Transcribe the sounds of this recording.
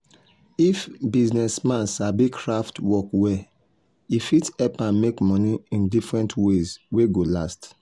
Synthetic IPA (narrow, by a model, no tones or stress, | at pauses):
ifbiznɛsmãnsabikʰɹaftwɔkwɛ | ifitɛpãnmekmɔ̃niĩndifɹɛ̃ntwezweɡolast